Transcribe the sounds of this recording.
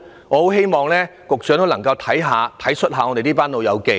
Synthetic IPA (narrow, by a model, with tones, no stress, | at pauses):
ŋɔː˨˧ho˨˥wɦe˥jmɔː˨ŋlɛː˥kʊ˨k̚t͡ʃœː˨˥ŋt̪o˥wnɐ˨˩ŋkɐ˧wt̪ʰɐ˨˥jɦaː˨˧t̪ʰɐ˨˥jt͡ʃʰɵ˥t̚ɦaː˨˧ŋɔː˧te˨jniː˥paː˥nlo˨˧wjɐ˨˧wke˨˧